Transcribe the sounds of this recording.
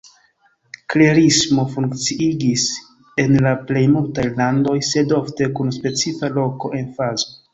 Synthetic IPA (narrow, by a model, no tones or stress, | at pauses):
kleɾismo̞fuŋkt͡siiɡis | e̞nlaple̞jmultajlando̞jse̞do̞fte̞kunspe̞t͡sifalo̞ko̞ʔe̞nfazo̞